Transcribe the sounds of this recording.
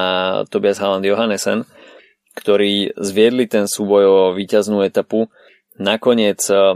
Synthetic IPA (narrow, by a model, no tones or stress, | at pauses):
at̪ɔbɪazɦaland̪jɔɦanɛsɛn | kt̪ɔɾiːzʋɪɛd̪lit̪ɛnsuːbɔjɔʋiːcaznuːɛt̪apu | nakɔɲɪɛt͡s